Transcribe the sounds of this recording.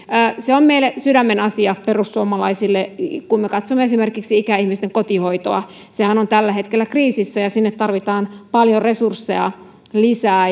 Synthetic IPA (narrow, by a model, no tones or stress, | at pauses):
əːseommeilsydæmːenɑsiɑperusːuomɑlɑisilːekummekɑt̪somːeesimerkiksiikæihmist̪eŋkot̪ihoit̪oɑ̰ | sehænont̪ælːæɦet̪kelːækriːsisːæjɑsinːet̪t̪ɑrʋit̪ɑːnpɑljoresursːeɑ | lisæː